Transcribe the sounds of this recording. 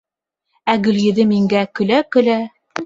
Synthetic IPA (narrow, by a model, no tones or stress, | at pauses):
æɡɵ̆ljɘ̆ðɘmiŋɡækɵ̆lækɵ̆læ